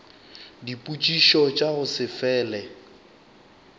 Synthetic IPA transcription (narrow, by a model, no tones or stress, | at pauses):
dipʼut͡ʃʼiʃɔt͡ʃʼaɣʊsɪfɛːlɛ